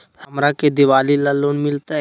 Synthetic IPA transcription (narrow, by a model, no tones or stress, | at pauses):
həmɾaked̪ɪʋaːlilaloːnmɪlt̪a